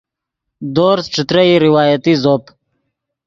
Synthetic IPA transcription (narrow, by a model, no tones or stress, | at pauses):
d̪oːɾsʈ͡ʂut̪ɾəiɾiwaːjət̪izoːp